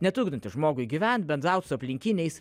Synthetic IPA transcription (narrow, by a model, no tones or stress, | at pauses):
nʲɛt̪ʊːɡd̪ɪnt̪ʲɪʒmoːɡʊɪɡʲiːʋʲɛnt̪̚ʲbʲɛnd̪ɾɑˑʊt̪sʊɐpʲlʲɪŋʲkʲɪnʲɛɪs